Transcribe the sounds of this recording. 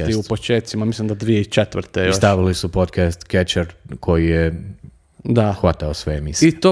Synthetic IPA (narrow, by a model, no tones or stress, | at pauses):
iupot͡ʃeːt̪simamislimd̪ad̪ʋijeit͡ʃet̪ʋɾ̩t̪ejosʃt̪aʋilisupod̪kast̪ket͡ʃeɾkʰo̞jije | d̪axʋat̪aosʋeemisit̪o